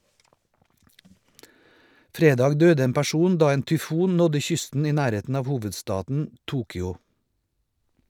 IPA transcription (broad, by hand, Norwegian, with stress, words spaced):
ˈfɾeːˌdɑːɡ ˈdøːdə ˈeːm pæˈʃuːn ˈdɑː ˈeːn tʏˈfuːn ˈnɔdə ˈçʏstn̩ ˈiː ˈnæːˌɾeːtn̩ ˈɑːʋ ˈhuːʋədˌstɑːdn̩ ˈtuːkʏɔ